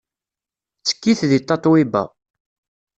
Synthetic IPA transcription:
t͡sːə̥kːiθðit̪ˤːɑt̪ˤwibæ̰

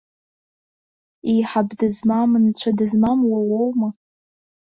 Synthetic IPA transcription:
ijħabdɨzmamɨnt͡ɕʷʰadɨzmamwawowma

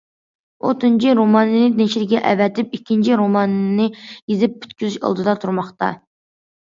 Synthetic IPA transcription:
o̰t̪ʰɨnt͡ʃʰiɾomɑnɨnɨd̪eʃiɾɪɡʲɛʔɛ̰vɛt̪ɪp̚ikʲːint͡ʃʰiɾomɑnnɨjezɪp̚ːʰy̥t̪kʲyzyʃɑ̰lˠd̪ɨd̪ɑt̪ʰuɾmɑχt̪ɑ̰

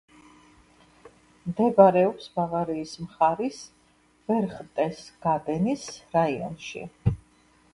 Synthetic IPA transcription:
md̪ɛvaɾɛɔpsbavaɾiːsmχaɾis | vɛɾχt̪ʼɛsɡ̥ad̪ɛnisɾaiɔ̰nʃḭ

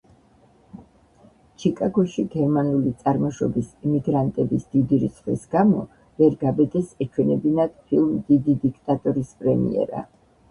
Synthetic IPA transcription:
t͡ʃʰikʼaɡɔʃiɡɛɾmanulit̪sʼaɾmɔʃɔ̰bisimiɡɾant̪ʼɛbisd̪̥id̪iɾḭsχwḭsɡamɔ | vɛɾɡabɛd̪ɛsɛt͡ʃʰwɛnɛbinad̪̥pʰilˠmd̪id̪id̪ikʰt̪ʼat̪ʼɔɾispʼɾɛmḭɛ̰ɾa̰

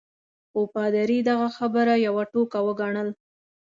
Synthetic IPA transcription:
opɑd̪aɾid̪aɣaxabəɾajawaʈokawəɡaɳəl

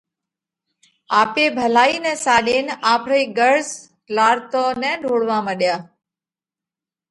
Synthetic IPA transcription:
aːpeːbʱəlaːiːnɛ̃ːsaːɗeːnaːpʰɾeːɡəɾz | laːɾt̪oːnɛ̃ːɖʱoːɽʋãːməɗɪjaː

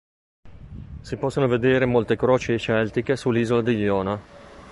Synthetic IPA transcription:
sipɔsːonoved̪eːɾemolt̪ekɾoːt͡ʃeːt͡ʃɛlt̪ikesulːiːzolad̪iʎjɔːna

